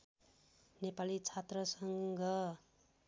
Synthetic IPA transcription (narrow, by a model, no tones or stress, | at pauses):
nepalit͡sʰat̪rʌsʌŋɡʌ